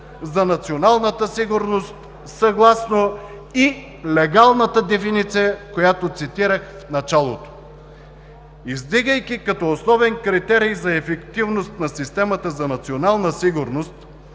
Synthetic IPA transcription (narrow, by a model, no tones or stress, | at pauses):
zɐnɐt̪sionalˠnət̪əsiɡʊɾnost̪ | sɐɡlˠasno | i | lɛɡalˠnət̪əd̪ɛfinit̪sijəkojat̪ot̪sit̪iɾəxfnɐt͡ʃalˠo̰t̪o̥ | izd̪iɡəjkʲikɐt̪ɔːsnɔvɛnkɾit̪ɛɾijzɐɛfɛkt̪ivnost̪nɐsist̪ɛmət̪əzɐnɐt̪sionalˠnəsiɡʊɾnost̪